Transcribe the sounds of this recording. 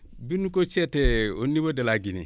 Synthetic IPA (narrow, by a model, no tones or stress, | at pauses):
binukot͡ʃɛtɛonibodalaɡinḭ